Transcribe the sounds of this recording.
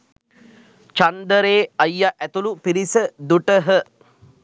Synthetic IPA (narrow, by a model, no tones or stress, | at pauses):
t͡ʃand̪əɾeːɐjːaʔæt̪ulupiɾisəd̪uʈəɦə